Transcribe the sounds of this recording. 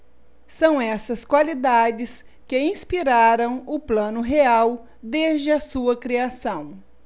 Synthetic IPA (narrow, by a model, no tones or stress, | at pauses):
sɐ̃w̃ɛsɐskwalid̪ad͡ʒɪs | kɪĩspiɾaɾɐ̃w̃ʊplɐ̃nʊɦeaw | d̪ezd͡ʒɪɐsuɐkɾiasɐ̃w̃